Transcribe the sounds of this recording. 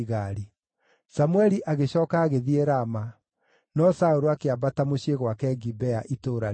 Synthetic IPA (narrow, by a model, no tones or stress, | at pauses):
ɣaɾi | samuɛɾiʔaɣeɕɔːkaːɣeðieɾama | nɔsaoɾoakeabatamoɕeɣwakɛɡibɛaʔitoːɾa